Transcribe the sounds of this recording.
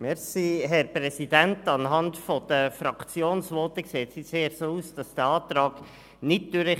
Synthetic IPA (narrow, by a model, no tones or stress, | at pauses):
mɛɾsiɦɛɾprɛsid̥æntɑnɦɑntfɔd̥̪əfɾɑkt͡sjoːnsʋɔːt̪əkseːtsiseːɾsoːuːsd̥ɑsd̥əɑːt̪ɾɑːɡ̥ | nɪt̚d̥yɾə